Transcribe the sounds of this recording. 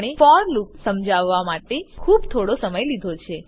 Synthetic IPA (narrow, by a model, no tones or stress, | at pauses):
ɽ̃efɔɾluksəmd͡ʒaʋːamaʈekʰuːbt̪ʰoɽosəməjlid̪ʱot͡ʃʰe